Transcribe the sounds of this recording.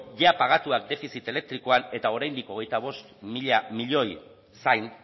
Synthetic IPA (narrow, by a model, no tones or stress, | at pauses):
ʝeapaɣ̞at̪uak̚d̪e̞fisit̪e̞le̞k̚t̪ɾiko̞ane̞t̪ao̞ɾajnd̪iko̞ɣ̞e̞jt̪aβ̞o̞st̪miʎamiʎo̞j | sajn